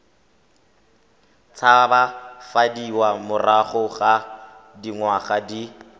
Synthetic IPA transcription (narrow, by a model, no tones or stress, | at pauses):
t͡sʰabafadiwamʊraχʊχa | diŋwaχadi